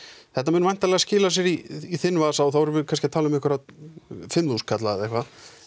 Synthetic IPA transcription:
θɛht̪amɛːnʏmajn̥t̪alɛɣascɪːlas̬jɛɾiiθɪnːvasawθawvɛɾʏvɪkʰanscɪat̪ʰaːlʏmɛhkvʏɾaðfɪmðuskʰat̪laðɛhkva

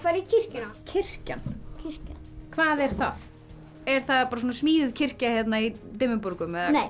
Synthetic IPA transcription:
kvaːɾicʰɪr̥cʏnacʰɪr̥ca̰ncʰɪr̥cankʰvaːðɛɾ̥θað | ɛɾ̥θaðpaːɾas̬ɔːnasmiːðʏðcʰɪr̥cahjɛt̪nait̪ɪmʏpɔɾkʏmɛðanej

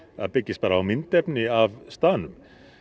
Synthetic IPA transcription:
a̰ðpɪcːɪs̚paːɾaawmɪnt̪ɛpnɪavst̪aːnʏm

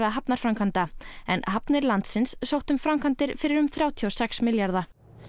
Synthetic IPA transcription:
aɦapnaɾ̥fɾawmkʰant̪aɛ̰nhapnɪɾlant̪sɪnsːowht̪ʏmfɾamkʰant̪ɪɾfɪɾɪɾʏmθɾjaːwt̪ʰiɔwsɛksmɪljaɾða

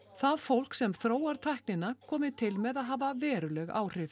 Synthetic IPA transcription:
θaðfowl̥ksɛmθɾoːwaɾt̪ʰajhk̚nɪnakʰɔːmɪt̪ʰɪlmɛðaðɦaːvavɛːɾʏlɛɣa̰ːwr̥ɪf

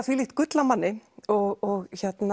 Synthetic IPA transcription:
θviːliht̪kʏt̪lamanːɪɔɣɔɣçɛt̪na

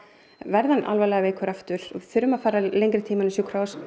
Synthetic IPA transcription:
vɛɾðana̰lvajlɛɣaveːjkʰʏɾaft̪ʏɾ̥ɔɪθʏɾʏmaðfaːɾalejŋkɾɪt̪ʰiːmanʏsjɔkʰɾaws

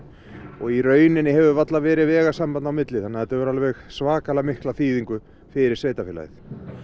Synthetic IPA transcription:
ɔɣiɾœːɥnɪnːɪɦɛvʏvat̪lavɛːɾɪðvɛːɣasampanawmɪt̪lɪθanːɛaθɛt̪avɛɾalvɛxsvaːkalamɪhklaθiːðiŋkʏ | fɪɾɪɾ̥sveːjt̪afɛːla̰ɪ̰θ

